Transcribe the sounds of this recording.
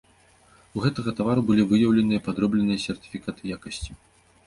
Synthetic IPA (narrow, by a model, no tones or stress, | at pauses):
uɣɛt̪ɐɣɐt̪avaɾubɨlʲivɨjɐwlʲɛnɨjɐpad̪ɾɔblʲɛnɨjɐsʲɛrt̪i̥fʲikat̪ɨjakɐsʲt͡sʲi̥